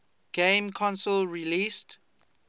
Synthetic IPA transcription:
ɡ̥ẽmkʰɔ̃nsəlɹilist

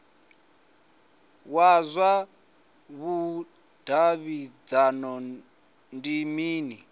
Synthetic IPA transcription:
wazʷwa | βu | d̥ʱaβid͡zanɔ | ndimiːni

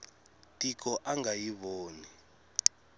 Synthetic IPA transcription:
tʼik̬ʰʼɔʔaŋajiβoːni

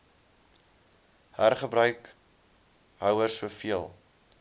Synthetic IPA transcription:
hærχəbɾœɥk | ɦœwərsuəfiəlˠ

